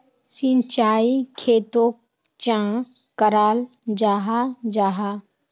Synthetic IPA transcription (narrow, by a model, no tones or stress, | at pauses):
sĩnt͡ʃaːikʰeːt̪o | t͡ʃã | kəɾaːl | d͡ʒaːɦad͡ʒaːɦa